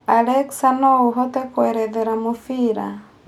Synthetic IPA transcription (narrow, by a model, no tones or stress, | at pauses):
alɛksanɔuɦɔt̪ɛkoɛɾɛðɛɾamufiɾa̰